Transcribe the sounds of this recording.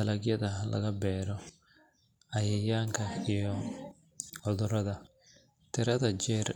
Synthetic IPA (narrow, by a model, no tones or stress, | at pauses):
ɐlɐɡjɐðɐlʔɐ̰ɣɐbɛːɾɔ | ɐjɛjaːŋkʰɐijɔ | ɔðʊɾɐðɐ | t̪ʰɪɾɐðɐt͡ʃɛːr